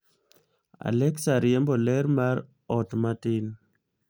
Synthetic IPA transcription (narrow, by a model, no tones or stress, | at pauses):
a̰lɛksaɾjɛmbɔlɛɾmaɾ | ɔtmatɪn